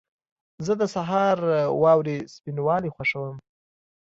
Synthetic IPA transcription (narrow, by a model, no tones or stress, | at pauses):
zəd̪əsaɦɑɾwɑwɾespinwɑlixwaʂəwəm